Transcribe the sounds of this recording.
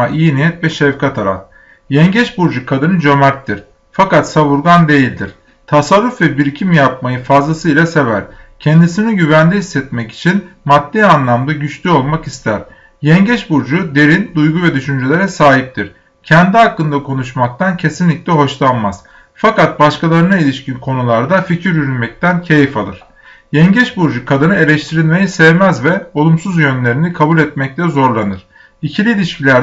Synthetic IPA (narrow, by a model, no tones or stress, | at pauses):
aʔijinijɛt̪vɛʃɛfkʰat̪ʰaɾa̰f | jɛɲɟɛʃbuɾd͡ʒukʰad̪ɯnɯd͡ʒømɛt̪ːiɾ̥ | fakat̪saβuɾɡand̪e̞jilʲd̪iɾ̥ | t̪ʰasaɾːufvɛbiɾcʰimjapmajɯfazlˠasɯilʲˠase̞væɾ̥cʰɛnd̪isiniɟyvænd̪ɛɦisːɛt̪mɛci̥t͡ʃʰinmad̪̥ːiːanlˠamd̪aɟyt͡ʃlʲyo̞lˠmakist̪ʰæɾ̥ | jɛɲɟɛʃbuɾd͡ʒud̪e̞ɾind̪ujɡuvɛd̪yʃynd͡ʒelʲeɾɛsaːɦip̚t̪ʰiɾ̥ | cʰɛnd̪iakːɯnd̪akʰo̞nuʃmak̚t̪ʰancʰe̞sinlʲicʲlʲɛɦo̞ʃlˠanmaz̥ | fakat̪̚baʃkalˠaɾɯnailʲiʃcinkʰo̞nulˠaɾd̪aficʰiɾjyɾynmɛc̚t̪ʰæncʰejifalˠɯ̰ɾ̥ | jɛɲɟɛʃbuɾd͡ʒukʰad̪ɯnɯe̞lʲɛʃt̪ʰiɾilʲme̞jisɛvmæzvɛo̞lˠumsuzjø̞nlʲe̞ɾinikʰabulʲɛt̪mɛc̚t̪ʲɛzo̞ɾlˠanɯɾ̥ | icʰilʲiːlʲiʃcilʲæɾ